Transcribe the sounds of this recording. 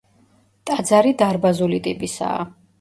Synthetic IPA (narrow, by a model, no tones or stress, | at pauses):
t̪ʼad̪zaɾid̪aɾbazulit̪ʼipʼisa̰ː